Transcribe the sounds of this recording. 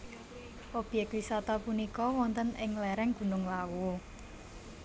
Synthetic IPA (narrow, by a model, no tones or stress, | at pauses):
ʔob̥jɛk̚t̪wisat̪ɔpunikɔwɔnt̪ənɪŋlɛɾɛŋɡ̥ṳnʊŋlawu